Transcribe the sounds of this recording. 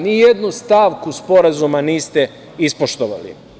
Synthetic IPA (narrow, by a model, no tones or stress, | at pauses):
nije̞d̪nust̪aʋkuspo̞ɾazumaniːst̪e | ispo̞ʃt̪oʋa̰lḭ